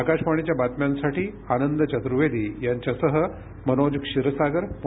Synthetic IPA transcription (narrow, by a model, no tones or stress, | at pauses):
akaɕpaɳ̃et͡ɕjabat̪mjansaʈiː | anənd̪ət͡ɕət̪ɾuʋed̪iːjaɲt͡ɕjasəɦə | mənod͡ʑkʂiɾəsaɡəɾm